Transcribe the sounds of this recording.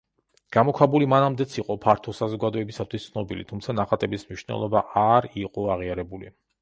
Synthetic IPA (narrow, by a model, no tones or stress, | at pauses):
ɡ̥amɔkʰwabulimanamd̪ɛt̪sʰiqʼɔpʰaɾt̪ʰɔsazɔɡad̪ɔɛbisat̪ʰwist̪sʰnɔbilḭt̪ʰumt̪sʰanaχat̪ʼɛbismniʃnɛ̰lˠɔbaʔaɾiqʼɔaʁiaɾɛbulḭ